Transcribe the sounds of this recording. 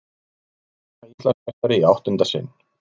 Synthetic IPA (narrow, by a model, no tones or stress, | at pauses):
aist̪lasɛt̪aɾɪiawht̪ʏnt̪asɪ̰n